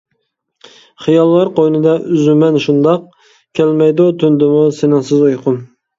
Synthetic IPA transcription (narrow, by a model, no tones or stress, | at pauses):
χijɑlˠːɑɾqojnɨd̪ɑʔyzymɛnʃund̪ɑq̚ | kʲʰɛlmɛjd̪ut̪ʰynd̪ɪmusenɪŋsɨzojqʰʊm